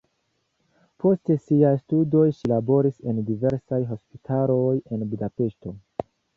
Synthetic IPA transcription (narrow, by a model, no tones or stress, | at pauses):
pʰo̞ste̞siajstudo̞jʃilabo̞ɾise̞ndive̞ɾsajɦo̞spitʰalo̞je̞nbudape̞ʃto̞